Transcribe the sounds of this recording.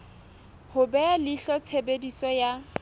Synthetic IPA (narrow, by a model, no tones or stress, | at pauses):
hʊbɛalɪɬɔt͡sʰebedisɔja